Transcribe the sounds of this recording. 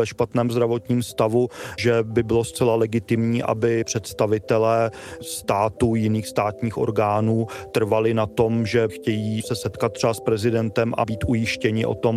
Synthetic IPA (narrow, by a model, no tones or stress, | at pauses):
vɛʃpat̪nɛːmzd̪ɾavo̞t̪ɲiːmst̪avuʒɛbɪbɪlost͡sɛlalɛɡɪt̪ɪmɲiːʔa̰bɪpr̝̥ɛt̪st̪avɪt̪ɛlɛː | st̪aːt̪ujɪniːxst̪aːt̪ɲiːxʔo̞̰ɾɡaːnuːt̪r̩valɪnat̪o̞mʒɛxcɛjiːsɛsɛt̪kat̪̚t̪ːr̥ɛaspɾɛzɪdɛnt̪ɛmʔa̰biːt̪ʔujɪʃcɛɲɪʔo̞̰t̪o̞m